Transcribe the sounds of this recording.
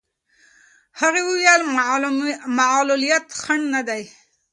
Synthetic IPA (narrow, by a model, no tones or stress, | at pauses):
haɣewuwjal | maʕlulijat̪xaɳnad̪aj